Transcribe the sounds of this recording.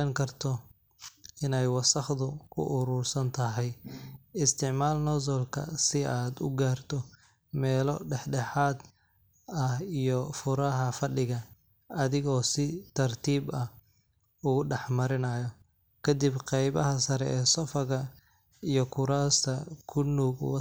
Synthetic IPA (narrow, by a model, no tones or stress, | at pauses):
ɛŋkʰɐrt̪ʰɔ | ɪnɛjwɑsɐχðʊkʰʊ̰ʔʊɾuːrsɐnt̪ʰɐɦɛjɪst̪ʰɪʕmaːlnɔðɔlkʰɐ̰sɪʔaːd̪ʊ̰ɡaːrt̪ʰɔ | mɛːlɔɖɛħɖɛħaːd̪ | ɐhijɔfʊɾɐɦɐfɐɖɪɣɐ | ɐðɪɣɔːsɪt̪ʰɐrt̪ʰiːbɐh | ʊɣʊɖɛħmɐɾɪnɐjɔ | kʰɐd̪ɪbqɛjβɐɦɐsɐɾɛ̰ʔɛːsɔfɐɣɐ | ijɔkʰʊɾaːst̪ʰɐkʰʊnuːɡwɑ